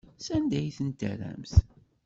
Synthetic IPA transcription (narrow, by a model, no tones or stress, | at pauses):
sænd̪æjθənt̪ə̰ɾæ̰mθ